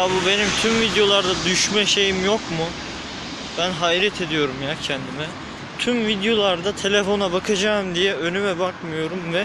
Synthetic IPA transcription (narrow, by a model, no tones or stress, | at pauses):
abube̞nimt̪ʰymvid̪jo̞lˠaɾd̪ad̪yʃmɛʃe̞jimjokmu | b̥ænɦaiɾɛt̪ʰe̞d̪ijo̞ɾumjacʰɛnd̪imɛ | t̪ʰymvid̪jo̞lˠaɾd̪at̪ʰe̞lʲefo̞nabakʰad͡ʒaːɯmd̪ijɛø̞nymɛbakmɯjo̞ɾumvɛ